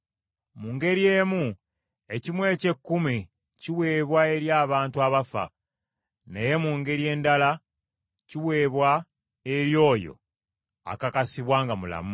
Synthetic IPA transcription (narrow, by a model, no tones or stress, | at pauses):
muːŋɡe̞ɾije̞ːmu | e̞cimwe̞ːce̞kːumi | ciwe̞ːβwae̞ɾjaːβaːntuaβafa̰ | ne̞je̞muːŋɡe̞ɾje̞ːndala | ciwe̞ːβwa | eɾjo̞ːjo̞̰ | a̰kakasiβwaːŋɡamula̰mu